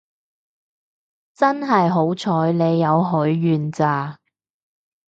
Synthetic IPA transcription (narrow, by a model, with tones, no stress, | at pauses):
t͡sɐ˥nɦɐ˨jɦo˨˥wt͡sʰɔː˨˥jne˨˧jːɐ˨˧wɦɵ˨˥ɥːyː˨nt͡saː˨˧